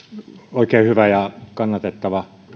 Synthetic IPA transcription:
oˑikeːhyʋæjɑkɑnːɑt̪et̪ːɑʋɑ

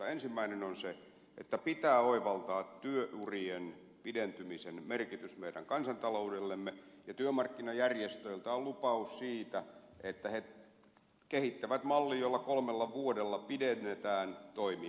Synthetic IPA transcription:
ɑensimːæinenonse | ḛt̪ːæpit̪æːoiʋɑlt̪ɑːt̪tyøʔurien | pident̪ymisenmerkit̪ysmeidæ̰ŋkɑnsɑnt̪ɑloudelːemːejɑt̪yømɑrkːinɑjærjest̪øilt̪ɑollupɑussiːt̪æʔet̪ːæhe | kehit̪ːæʋæt̪mɑlːiːjolːɑkolmelːɑʋuodelːɑpidenːet̪æːnt̪oimi

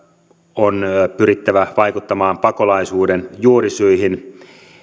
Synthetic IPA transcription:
onpyɾit̪ːæʋæʋɑjkut̪ːɑmɑːmpɑko̞lɑisuːdenjuorisyiɦin

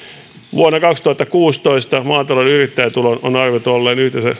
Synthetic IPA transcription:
ʋuonːɑkɑkst̪uhɑt̪ːɑkuːst̪oist̪ɑmɑːt̪ɑlonyrit̪ːæit̪ulono̰nɑrʋet̪olːeːnyht̪esæ

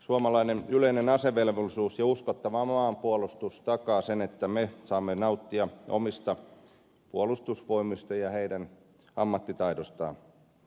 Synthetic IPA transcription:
suɑmɑlɑinenyleinenɑseʋelʋolːisuːsjɑuskot̪ːɑʋɑmɑːmpuolust̪ust̪ɑkɑːsenet̪ːæmesɑːmːenɑut̪ːiɑʔo̰mist̪ɑ | puolust̪usʋoimist̪ɑjɑheidæn | ɑmːɑt̪ːit̪ɑidost̪ɑ̰ːn

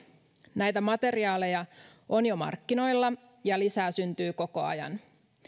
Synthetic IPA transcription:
næjt̪æmɑt̪e̞riɑːle̞jɑ | ʔo̞njomɑ̰rkːino̞jlːɑ | jɑlisæːsynt̪yːko̞ko̞ɑ̰jɑ̰n

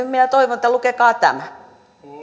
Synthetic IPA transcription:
minæt̪oiʋonĕt̪ːælukekɑːt̪æ̰mæ

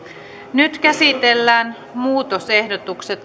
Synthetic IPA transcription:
nyt̪kæsit̪elːæːn | muːt̪ose̞hdot̪ukse̞t̪

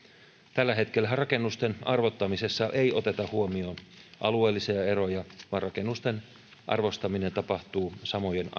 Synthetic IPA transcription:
t̪ælːæɦe̞t̪kelːæɦærɑke̞nːust̪enɑrʋo̞t̪ːɑmise̞sːɑʔejo̞t̪e̞t̪ɑhuomioːnʔɑlueːlːisiɑe̞ɾo̞jɑʋɑnrɑke̞nːust̪en | ʔɑ̰rʋo̞st̪ɑmine̞nt̪ɑpɑht̪uːsɑmojen

